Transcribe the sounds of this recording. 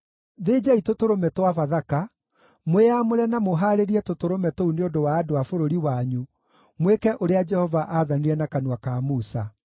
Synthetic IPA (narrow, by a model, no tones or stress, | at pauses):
ðeːd͡ʑaitotoɾomɛtwavaðaka | mweamoɾɛnamoɦaɾeɾiɛtotoɾomɛtouneondowaːdoafoɾoɾiwaɲu | mwekɛʔoɾead͡ʒɛhɔvaʔaðaniɾɛnakanwakamusa